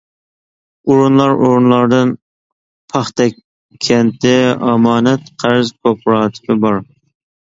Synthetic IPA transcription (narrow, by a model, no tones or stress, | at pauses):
uɾunlˠɑɾoɾunlˠɑɾd̪ɨn | pʰɑχt̪ɛ | kʲʰːɛnt̪ʰɪɑmɑːnɛt̪qʰæɾzkʰopʰɾɑːt̪ʰɪ̥pɪbɑɾ